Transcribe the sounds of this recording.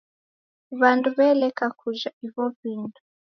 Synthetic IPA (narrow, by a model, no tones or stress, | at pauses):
βanduβɛlɛkakʰuʒaiβɔvindu̥